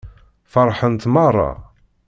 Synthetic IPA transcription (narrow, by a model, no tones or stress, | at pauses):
fəɾˤħənt̪mɑrˤːɑ̰